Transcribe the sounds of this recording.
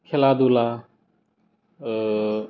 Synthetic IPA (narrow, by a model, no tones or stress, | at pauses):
kʰelad̪ula